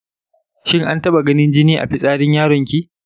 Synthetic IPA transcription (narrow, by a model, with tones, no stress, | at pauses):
ʃɪ˦ŋʔa˦ntɐ˦ɓa˨ɡɐ˦nɪ˦nd͡ʒɪ˦niː˦ʔa̰˨ɸɪ˦sʼaː˦ɽɪ˦ɲjaː˦ɽɔ˨ŋkʲi˦